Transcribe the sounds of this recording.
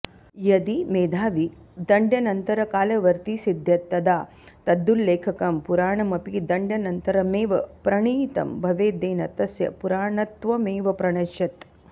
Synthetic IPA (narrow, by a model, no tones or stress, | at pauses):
jɐd̪imeːd̪ʱaːʋi | d̪ɐɳɖjɐnɐnt̪ɐɾɐkaːlɐʋɐɾt̪isid̪ʱjɐt̪ːɐd̪aː | t̪ɐd̪ːulːeːkʰɐkɐmpuɾaːɳɐmɐpid̪ɐɳɖjɐnɐnt̪ɐɾɐmeːʋɐpɾɐɳiːt̪ɐ̰mbʱɐʋeːd̪eːnɐt̪ɐsjɐ̰puɾaːɳɐt̪ʋɐmeːʋɐpɾɐɳɐʃjɐt̪